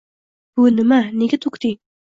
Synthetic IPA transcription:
b̥unɪmaneɡʲɛt̪ʰokt̪ʰɪ

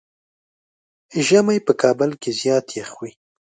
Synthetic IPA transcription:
ʒamajpəkʰɑbəlkezjɑːt̪jexwi

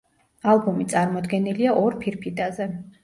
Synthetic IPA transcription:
alˠbumit̪sʼaɾmɔd̪ɡɛniliaʔɔɾpʰiɾpʰid̪ʼazɛ

